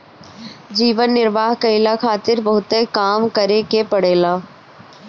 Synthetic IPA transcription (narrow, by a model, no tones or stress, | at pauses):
d͡ʒiːʋənːɪɾʋaːɦkɐɪlakʰaːt̪ɪɾbɐɦʊt̪ekaːmkɐɾekepɐɽeːlaː